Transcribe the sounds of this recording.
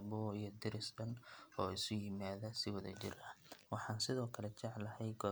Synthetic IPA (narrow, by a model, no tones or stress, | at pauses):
bɔːijɔd̪ɪɾɪsbɐnɔːɪsʊjɪmaːðɐsɪwɐðɐ̰t͡ʃɪ̰ɾɐwɑħɑːnsɪðɔːkʰɐlɛt͡ʃɛʕlɐhɛjɡɔː